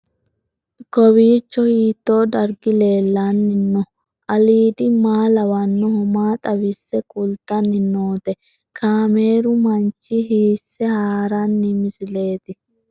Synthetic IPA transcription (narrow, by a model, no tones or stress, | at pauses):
kɔβiːt͡ʃːɔhiːt̪ːo̞ːd̪ɐɾɡɪle̞ːlːanːɪnːɔ | ʔɐliːd̪ɪmaːlɐwɐnːɔhɔmaːt̪ʼɐβɪsːɛkʼʊlt̪ːɐnːɪnːoːt̪ɛ | kʰaːme̞ːɾʊmɐnt͡ʃːɪɦiːsːɛhaːɾanːɪmɪsɪle̞ːt̪ɪ